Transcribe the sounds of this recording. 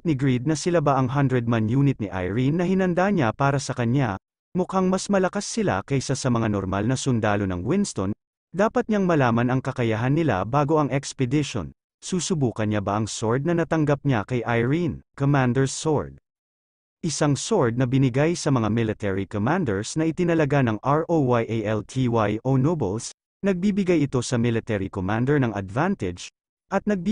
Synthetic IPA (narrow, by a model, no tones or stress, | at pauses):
nɪɡɹid̪̚nɐsɪlabaʔɐŋɦɐnd̪ɹɛd̪̚manjuːnɪt̪̚niʔa̰jɹinːɐhɪnɐnd̪aɲapaːɾɐsɐkɐɲja̰ | mʊkaŋmɐsmɐlɐkasːɪla̰kɐjsasɐmɐŋano̰ɾma̰lnɐsʊnd̪aːlo̞nɐ̰ŋwɪnst̪o̰n | d̪aːpɐt̪̚ɲaŋmɐlaːmɐnɐŋkɐkɐjɐɦanːɪla̰baːɡo̞ʔɐŋʔɛkspɛd̪ɪʃo̰n | suːsʊbuːkɐnɲabɐʔɐŋsoɹd̪̚nɐnɐt̪ɐŋɡap̚ɲakɐjʔajɹinkomand̪ɛɹsoɹd̪̚ | ʔɪsaŋsoɹd̪̚nɐbɪnɪɡajsɐmɐŋamɪlɪt̪ɛɹikomand̪ɛɹsnɐʔɪt̪ɪnɐlɐɡanɐŋʔaɹʔowajʔejʔɛlt̪ʰiwajʔonobɛls | nɐɡ̚biːbɪɡajɪt̪o̞sɐmɪlɪt̪ɛɾikomand̪ɛɹnɐŋɐ̰d̪vant̪ɛd͡ʒ | ʔɐt̪̚nɐɡ̚b